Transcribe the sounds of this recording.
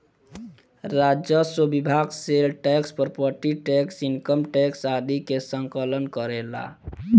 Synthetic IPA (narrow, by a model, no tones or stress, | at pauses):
ɾad͡ʒjəswəbibʱaɡselʈɛkspəɾpəɾʈiʈɛksinkəmʈɛksad̪ʱikesəŋkələnkəɾela̰